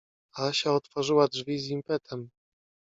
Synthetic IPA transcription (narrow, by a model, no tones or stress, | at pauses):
aɕaɔt̪fɔʐɘwadʐvʲizimpɛt̪ʰɛm